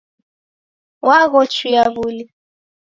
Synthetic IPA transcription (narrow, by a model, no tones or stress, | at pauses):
waɣɔt͡ʃijaβuli